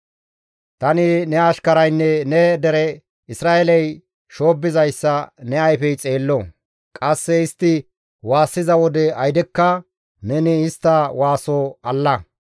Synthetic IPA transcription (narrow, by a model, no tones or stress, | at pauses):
t̪ɐnɪnɛɐʃkɐɾɐjnːɛnɛd̪ɛɾɛ | ɪsɾaːɛlɛj | ʃo̞ːbːɪzɐjsːɐnɛɐjfɛjt͡sʼe̞ːlːɔ | kʼɐsːɛɪst̪ːɪ | waːsːɪzɐwɔd̪ɛɐjd̪ɛkːɐ | nɛnɪɪst̪ːɐwaːsoɐlːɐ